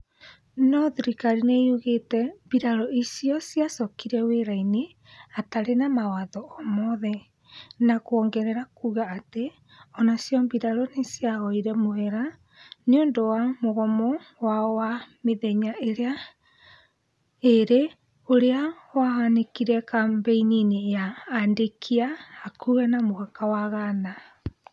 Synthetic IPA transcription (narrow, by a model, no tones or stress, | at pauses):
nɔðiɾikaɾineoɣetɛmbiɾaɾɔisiɔsiasɔkiɾɛweɾaine | ataɾenamawaðɔɔmɔðɛ | nakoɔŋɡɛɾɛɾakuːɣaːte | ɔnasjɔmbiɾaɾɔnesiaɣɔiɾɛmoɛɾa | neoːndowamoɣɔmɔwawameðeɲaʔeɾea | eɾe | oɾea | wahanekiɾɛkambɛininejaːndekʰiaːkuːɣɛnamoɣakawaɣana